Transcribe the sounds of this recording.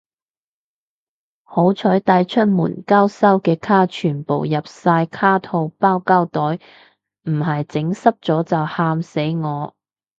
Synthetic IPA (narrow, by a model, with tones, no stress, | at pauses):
ho˨˥wt͡ʃʰɵ˨˥jt̪ɐ˨˥jt͡ʃʰɵ˥t̚mṵː˨˩nkaː˥wsɐ˥wkɛː˧kʰaː˥t͡ʃʰyː˨˩npo˨wjɐ˨p̚saː˧jkʰaː˥t̪ʰo˧wpaː˥wkaː˥wt̪ɔː˨˥j | m̩˨˩hɐ˨jt͡sɪ˨˥ŋsɐ˥p̚t͡sɔː˨˥t͡sɐ˨whaː˧mse˨˥jŋɔː˨˧